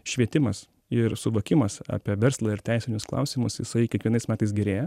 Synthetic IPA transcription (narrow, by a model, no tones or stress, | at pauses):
ʃʲʋʲiɛt̪ʲɪmɐs | ɪɾsʊʋoːkʲɪmɐsɑ̰ːpʲiɛʋʲɛɾslˠɐɪɾt̪ʲæɪsʲɪnʲʊsklˠɑ̰ʊsʲɪmʊsjɪ̰sɐɪkʲɛkʋʲiɛnɐɪsmʲæːt̪ɐɪsɡʲɪɾʲeːjɛ